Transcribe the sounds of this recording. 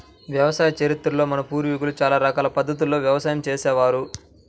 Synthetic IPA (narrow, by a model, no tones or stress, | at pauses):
ʋjɐʋɐsaːjɐt͡ʃeɾit̪ɾulo̞ːmɐnɐpuːɾʋiɡulut͡ʃaːlaːɾɐkaːlɐpɐd̪ːɐt̪̬ulːo̞ːʋjɐʋɐsaːjɐmt͡ʃeːsɛːʋaːɾu